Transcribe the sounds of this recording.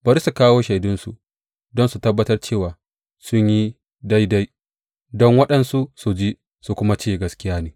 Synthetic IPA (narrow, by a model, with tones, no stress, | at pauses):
bɐ˨˦ɾi˦su˨kaː˦woː˦ʃa˨jdʊ˦nsṵ˨ʔ | dɔ˦nsu˨tɐ˦bːɐ˦tɐ˦rt͡ʃeː˦˨waː˨ | sʊ˦ɲji˦ | da˦jda˦j | dɔ˦ŋwɐ˦ɗɐ˨nsu˦su˨d͡ʒi˦ | su˨kʷʊ˦ma˦t͡ʃeː˦˨ɡɐ˦skʲɪ˦jaː˦neː˨˦